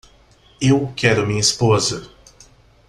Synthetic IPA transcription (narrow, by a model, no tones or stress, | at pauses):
ewkɛɾʊmĩɲɐispozɐ